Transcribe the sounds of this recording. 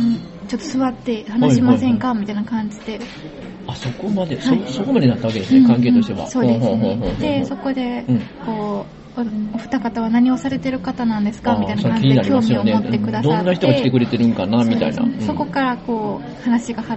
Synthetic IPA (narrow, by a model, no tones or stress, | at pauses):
ɯ̟̃ɴ | t͡ɕo̞t̪ːo̞sɨβat̪ːe̞hanaɕimasẽ̞ŋkamʲit̪ainakãɲ̟d͡ʑid̪e̞ | aso̞ko̞mad̪e̞shaoiso̞ko̞mad̪enat̪ːaβaked̪esɨnẽkãŋk̬eːt̪oɕi̥t̪e̞βa̰so̞ːdde̞ɦɦod̪e̞so̞ko̞d̪e̞ɯ̟̃ɴko̞ː | oɸɯ̥t̪akat̪aβ̞anaɲ̟io̞saɾe̞t̪e̞ɾɯ̟kat̪anãnd̪e̞sɨ̥kamit̪ainakãɲd͡ʑʲiɲinaɾkijoːmʲiomeotːe̞kɯ̟d̪ad̪oãnːaçi̥t̪oɡaeiit̪e̞kɯɾe̞t̪e̞ɾɯ̟̃ŋkanamʲit̪a̰ḭna̰sso̞ko̞kaɾako̞ː | hanaɕiɡaha